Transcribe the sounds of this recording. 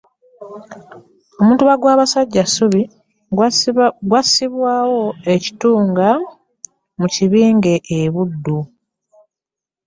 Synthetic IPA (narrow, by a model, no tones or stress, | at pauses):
o̞muːntuβaɡwaːβasaɟːasuβi | ɡwasiβwaːwo̞e̞ci̥tuːŋɡa | muciβiːŋɡe̞ʔeβudːu